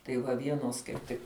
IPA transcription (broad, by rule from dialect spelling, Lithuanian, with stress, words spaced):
tɐɪ ˈʋɐ ˈʋʲiɛnoːs kɐɪp ˈtʲɪk